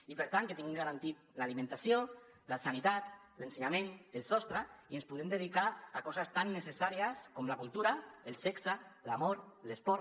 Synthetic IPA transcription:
ipeɾt̪anŋket̪iŋɡeŋɡaɾant̪it̪̚lalimẽnt̪asio | lasanit̪at̪ | lenseɲamenelˠsɔst̪ɾaienspuðemd̪eð̞ikaakɔzast̪anːesesaɾiaskomlakulˠt̪uɾaelˠsɛksalamoɾlespɔɾ

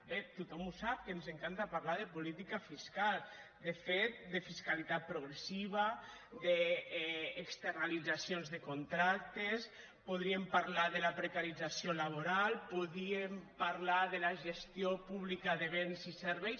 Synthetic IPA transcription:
bet̪ut̪ɔmusap̚kenzeŋkant̪apaɾlaðepulit̪ikafiskalˠd̪efet̪̚d̪efiskalit̪at̪̚pɾuɣɾesiβ̞a | d̪eː | kst̪eɾnalid͡zasionzðekont̪ɾak̚t̪es | puðɾiempaɾlaðelapɾekaɾid͡zasiolaβ̞oɾalˠpuðɾiempaɾlaðelaʒest̪jopuβlikaðeβenziseɾβɛjs

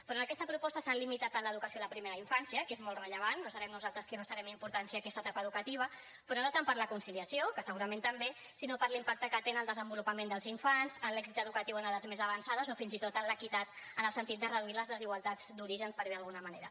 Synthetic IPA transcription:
pɾɔnəkɛst̪əpɾupɔst̪əsalimit̪at̪ənləð̞ukəsioiləpɾimeɾəiɱfansiəkezmoltrəʎəβ̞anːosɐβɛmnuzalˠt̪ɾəskirəst̪aɾɛmimpuɾt̪ansiaːkɛst̪ət̪apəðukət̪iβə | pɾɔnot̪ampəɾləkunsiliəsiokəsəɣuɾəment̪əmbe | sinopəɾlimpak̚t̪əkət̪enəlˠd̪əzəmbulupəmẽnd̪əlˠziɱfanzənlɛɡzit̪əðukət̪iwənəðazmezəβansaðəzofinzit̪ot̪ənləkit̪at̪ənəlˠsənt̪it̪d̪ərəðuiləzðəziɣwalˠt̪ad͡z̥d̪uɾiʒənspəɾðiðəlɣunəmənḛɾə

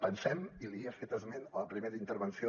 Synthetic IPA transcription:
pənsɛmiliəfet̪əzmenələpɾimeɾəint̪əɾβənsio

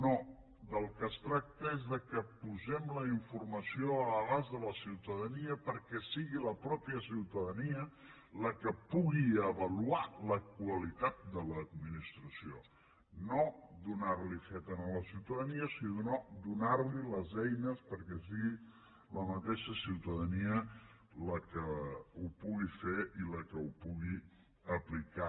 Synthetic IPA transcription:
no | d̪əlˠkəst̪ɾak̚t̪əezðəkəpuzɛmləiɱfurməsioələβazðələsiwt̪əðəniəpəɾkɛsiɣiləpɾɔpiəsiwt̪əðəniə | ləkəpuɣiəβəlualəkwəlit̪at̪̚d̪ələːd̪̚minist̪ɾəsio | nod̪unaɾlifet̪ənələsiwt̪əðəniəsiðunod̪unaɾliləzɛjnəspəɾkɛs̬iɣi | ləmət̪eʃəsiwt̪əðəniə | ləkəupuɣifeʔiləkəupuɣi | əplika

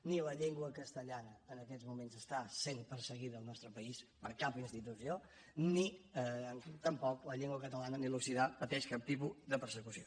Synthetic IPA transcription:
niləʎeŋɡwəkəst̪əʎanəːnəkɛd͡zmumenzəst̪asenpəɾsəɣiðəːlˠnɔst̪ɾəpəispəɾkapinst̪it̪usio | niəənt̪əmpɔkləʎeŋɡwəkət̪əlanənilusiðapət̪ɛʃkap̚t̪ipuðəpəɾsəkusio

